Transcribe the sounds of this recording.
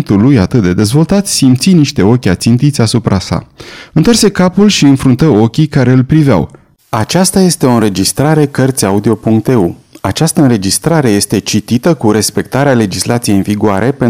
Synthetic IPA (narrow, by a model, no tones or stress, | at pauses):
nt̪ulujat̪ɨt̪̚d̪e̞d̪e̞zvo̞lt̪at̪ʲsimt̪siniʃt̪e̞o̞kʲat̪sint̪it̪sʲasupɾʔasa̰ɨnt̪oarse̞kapulʃiɨnfɾunt̪əo̞kʲikaɾe̞ɨlpɾivea̰w | at͡ʃast̪aje̞st̪eo̞ɨnɾe̞d͡ʒist̪ɾaɾe̞kərt̪sʲaud̪io̞puŋk̚t̪e̞uat͡ʃast̪əɨnɾe̞d͡ʒist̪ɾaɾe̞je̞st̪e̞t͡ʃit̪it̪əkuɾe̞spe̞k̚t̪aɾeale̞d͡ʒislʔat̪sijejinviɡuaɾʔe̞pe